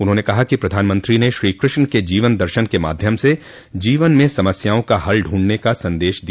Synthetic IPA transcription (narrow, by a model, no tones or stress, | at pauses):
ʊnɦõːnekɐɦakipɾɐd̪ʱaːnmə̃nt̪ɾineʃɾiːkɾɪʃnəked͡ʒiːʋənd̪ɐɾʃənkema̰ːd̪ʱjəmse | d͡ʒiːʋənmẽsɐməsjaːõkaɦɐlɖʱũːɳɖnekasɐ̃nd̪eːʃd̪i